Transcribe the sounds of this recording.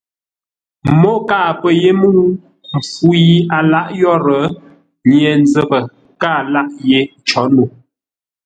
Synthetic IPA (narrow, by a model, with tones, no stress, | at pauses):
mɔ˦kaː˦˨pə˨je˦mu˦ | m̩˨fu˦ji˨˦a˨la˦ʔjɔ˦ɾə˨˦ | ɲjɛ˨n˦d͡zə˦˨bə˨ | ka˦˨la˦ʔje˦t͡ʃɔ˨˦nu˨